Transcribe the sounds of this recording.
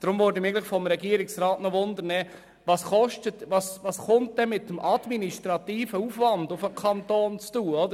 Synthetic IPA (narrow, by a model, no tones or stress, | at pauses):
d̥ɾʊmvɔldimɪɡlɪχfɔmɾɛɡiəɾɪksɾɑːtnɔʋʊnd̪əɾnɛː | vɑːsχɔʃtətʋɑːsʋɑːsχʊntd̥ɛmɪtːəmʔɑd̪miniʃtɾɑtiːfəuːfʋɑndʊfəkʰɑntoːnt͡stuːɔd̥̪ə